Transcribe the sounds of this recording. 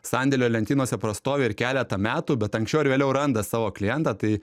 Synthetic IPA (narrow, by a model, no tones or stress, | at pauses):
sɑnʲd̪ʲɛlʲoːlʲɛnʲt̪ʲiːnoɔsʲɛpɾɐst̪oːʋʲeːɪɾkʲæːlʲɛt̪ɐmʲæːt̪uːbʲɛt̪ɐŋksʲt͡ʃʲɛʊɪɾʋʲeːlʲɛʊɾɐnd̪ɐsɑːʋoːklʲɪjɛnt̪ɑt̪ɐɪ